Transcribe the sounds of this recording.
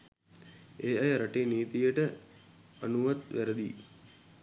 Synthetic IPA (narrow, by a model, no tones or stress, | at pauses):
eːajəɾaʈeːniːt̪ijəʈə | anuʋat̪ʋæɾəd̪iː